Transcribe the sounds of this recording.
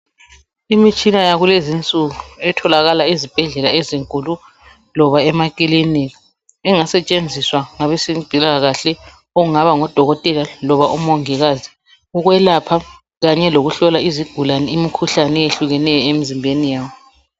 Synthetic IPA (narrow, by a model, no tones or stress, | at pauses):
imit͡ʃʼinajaɣulezint͡sʼuɣuɛtʰɔlaɣalaizib̥ʱɛɮɛlaeziŋkʼulu | lɔβaɛmakʼiliniɣa | ɛŋasɛt͡ʃʼend͡zʱiswaŋaβɛsib̥ʱilaɣaɬɛ | ɔuŋaβaŋɔd̥ʱɔɣɔtʼɛlalɔβaʔumɔŋiɣazi | uɣwɛlapʰa | ɣaɲɛloɣuɬɔlaiziɡ̥ʱulanɛimikʰuɬanɛeɬuɣɛnɛjɔemizimbʱenijaːwɔ